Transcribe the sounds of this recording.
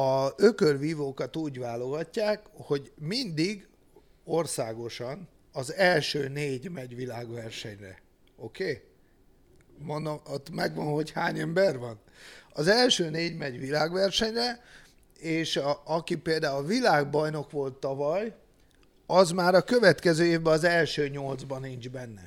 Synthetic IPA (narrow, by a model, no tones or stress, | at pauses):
ɒøkørʋiːvoːkɒt̪uːɟʋaːlo̞ɡɒcːaːkho̞ɟmind̪iɡ | o̞rsaːɡo̞ʃɒn | ɒzɛlʃøːneːɟmɛɟʋilaːɡʋɛrʃɛɲrɛ̰ | o̞keː | mond̪oot̪mɛɡʋɒnho̞chaːɲɛmbɛrʋɒnɒzɛlʃøːneːɟmɛɟʋilaːɡʋɛrʃɛɲrɛ | eːʃɒkipeːld̪aːulvilaːɡbɒjno̞kʋo̞lt̪ːɒvɒj | ɒzmaːɾɒkø̞vɛt̪kɛzøːeːvbɛɒzɛlʃøːɲo̞ld̪zbɒniɲd͡ʒbɛnːɛ̰